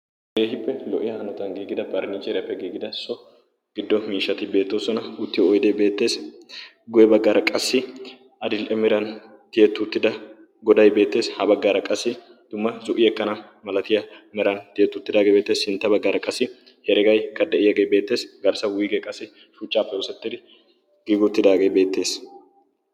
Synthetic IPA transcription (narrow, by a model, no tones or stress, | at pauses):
ɡeːɦɪpːɛlɔʔɪjɐhɐnɔt̪ɐŋɡiːɡɪd̪ɐbɐɾnit͡ʃʼɛɾɪjɐpːɛɡiːɡɪd̪ɐsɔ | ɡ̥ɪd̪ːɔmiːʃːɐt̪ɪbe̞ːt̪ːoːsɔnɐʊt̪ːɪɔjd̪ebe̞ːt̪ːe̞ːs | ɡʊjɛbɐɡːaːɾɐkʼɐsːɪ | ɐd̪ɪlʔɛmɛɾɐn | t̪ɪjɛt̪ːʊt̪ːɪd̪ɐ | ɡɔd̪ɐjbe̞ːt̪ːe̞ːshɐbɐɡːaːɾɐkʼɐsːɪ | d̪̥ʊmːɐzʊʔɪɛkːɐnɐ | mɐlɐt̪ɪjɐmɛɾɐnt̪ɪjɛt̪ːʊt̪ːɪd̪aːɡebe̞ːt̪ːe̞ːsɪnt̪ːɐbɐɡːaːɾɐkʼɐsːɪ | hɛɾɛɡɐjkɐd̪ɛʔɪjɐɡejbe̞ːt̪ːe̞ːsɡɐɾsɐwʊːɡɛkʼɐsːɪ | ʃʊt͡ʃʼːaːpːɛɔsɛt̪ːɪd̪ɪ | ɡ̥ɪɡʊt̪ːɪd̪aːɡebe̞ːt̪ːe̞ːs